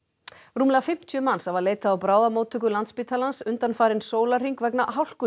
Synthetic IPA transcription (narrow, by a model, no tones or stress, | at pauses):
ruːmlɛɣafɪm̥t̪ʰjʏmansavaðleːjt̪aːwpɾaːwðamoːwt̪ʰʏk̬ʏlant̪spiːt̪ʰalansʏnt̪anfaːɾɪnsoːwlar̥iŋkvɛknaɦawl̥kʏ